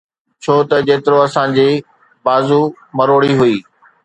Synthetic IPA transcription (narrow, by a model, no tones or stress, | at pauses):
t͡ɕʰoːt̪ɐd͡ʑeːt̪ɪɾoɐsãd͡ʑiː | baːzu | mɐɾoːɽiɦʊiː